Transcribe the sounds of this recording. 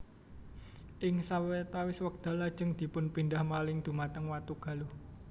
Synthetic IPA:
ʔɪŋsawet̪awɪswək̚d̪̥ä̤lad̥ʒ̥ə̤ŋd̪̥i̤pʊnpind̪ahmalɪŋd̪̥ṳmat̪əŋwat̪uɡ̥ä̤luh

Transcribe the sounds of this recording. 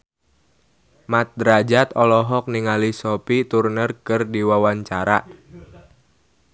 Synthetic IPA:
mat̪̚dɾad͡ʒat̪ɔlɔɦɔk̚niŋalisɔpit̪urnərkɨrdiwawaɲt͡ʃaɾa̰ʔ

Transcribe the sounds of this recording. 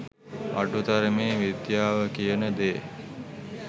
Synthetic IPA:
ʔa̰ʈut̪aɾəmeːʋid̪jaːʋəkijənəd̪eː

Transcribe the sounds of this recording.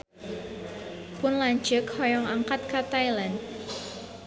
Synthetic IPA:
pʊnlaɲt͡ʃəkhɔjɔŋaŋkat̪̚kat̪ajland

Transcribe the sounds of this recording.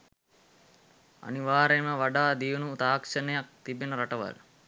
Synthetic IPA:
a̰niʋaːɾeməʋaɖaːd̪iʋənut̪aːkʂənejak̚t̪ibenəɾaʈəʋa̰l

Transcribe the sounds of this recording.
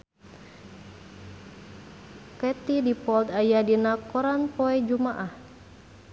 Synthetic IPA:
kɛt̪idipɔlt̪ajadinakɔɾanpɔɛd͡ʒumaʔah

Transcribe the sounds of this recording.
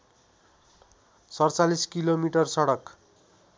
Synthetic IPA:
sʌrt͡saliskilomiʈʌrsʌɽʌk

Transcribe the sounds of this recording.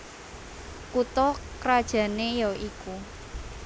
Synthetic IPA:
kut̪ɔkɾad̥ʒ̥ä̤nejɔiku

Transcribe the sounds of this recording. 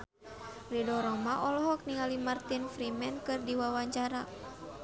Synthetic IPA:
ridɔɾɔmaʔɔlɔɦɔk̚niŋalimart̪infɾimɛnkɨrdiwawaɲt͡ʃaɾa

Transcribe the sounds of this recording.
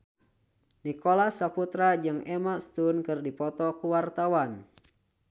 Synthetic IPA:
nikɔlasaput̪ɾad͡ʒɨŋɛmast̪unkɨrdipɔt̪ɔkuwart̪awan

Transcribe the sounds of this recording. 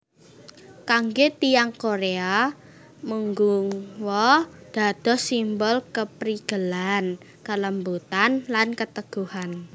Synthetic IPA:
kaŋɡet̪ijaŋkoɾea | muŋɡuŋwɔd̪̥a̤d̪̥ɔ̤simbɔlkəpɾiɡ̥əlan | kələmbut̪anlankət̪əɡ̥uhan

